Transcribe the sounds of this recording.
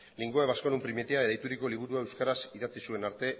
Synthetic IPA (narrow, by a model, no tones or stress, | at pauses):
liŋɡoeβasko̞numpɾimet̪eaðajt̪uɾiko̞liβ̞uɾuaewskaɾasiðat͡sisue̞naɾt̪e̞